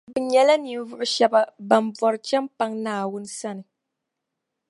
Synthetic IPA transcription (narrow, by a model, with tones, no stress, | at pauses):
bɨ˨ɲɛ˨˦la˦ni˨m˦vʊ˦ʔʊ˦ʃɛ˦ba˦ba˨mb͡vɔ˨ɾɨ˨˦t͡ʃɛ˦mpa˦ŋnaː˨wʊ˦n˦sa˦nɨ˨